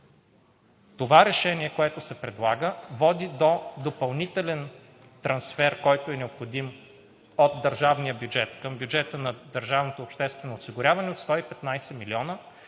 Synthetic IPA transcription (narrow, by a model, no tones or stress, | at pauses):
t̪ovaɾɛʃɛniɛkoɛt̪ʊsɛpɾɛd̪lˠaɡəvɔd̪id̪od̪opɐlˠnit̪ɛlɛn | t̪ɾɐnsfɛɾkɔjt̪oɛnɛopxod̪im | ot̪̚d̪əɾʒavnijəbjud͡ʒɛt̪kəmbjud͡ʒɛt̪ənɐd̪əɾʒavnot̪oːpʃt̪ɛst̪vɛnoːsiɡʊɾʲavɐnɛot̪st̪ɔipɛt̪najsɛmiliɔnə